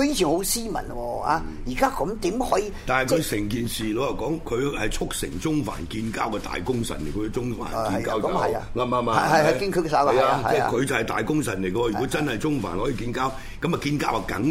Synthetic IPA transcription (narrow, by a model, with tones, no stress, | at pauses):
kɵ˧ji˧˥t͡ʃʰiː˨˩nho˨˥wsiː˥mɐ̰˨˩nwɔː˧a̰ː˧ | jiː˨˩kaː˥kɔ˨˦mt̪iː˨˥mhɔː˨˥jiː˧t̪aː˨˩nhɐ˨jkʰɵ˨˧sɛ˨˩ŋkiː˨nsiː˨lo˨˧wjɐ˨˩wkɔː˨˥ŋkʰɵ˨˧ɥhɐ˨jt͡sʰʊ˥k̚sɪ̰˨˩ŋt͡sʊ˥ŋfa̰ː˨˩nkiː˧nkaː˥wkɛː˧t̪a̰ː˨jkʊ˥ŋsɐ̰˨˩nle˨˩jkʰɵ˨˧˥kɛ˧t͡sʊ˥ŋfa̰ː˨˩n˨kiː˧˨nkaː˥wɐ˨a̰ŋaː˧maː˧maː˧ɐ˨ɐ˨jɐ˨ki˥˧nkʰːksa˨˥˨jaː˧t͡sɛː˥kʰɵ˨˧ɥt͡sɐ˨whɐ˨jt̪a̰ː˨jkʊ˥ŋsɐ˨nle˨˩kɐ˧wɔ˧˨y˨kɔ˨˥t͡sɐ˥nhɐ˨jt͡sʊ˥ŋfaː˨˩nhɔ˨˥jiː˨kiː˧nkaː˥w | kɐ˨˥ma˨kiː˧nkaː˥wɐ˨˩kɐ̰˨˥ŋ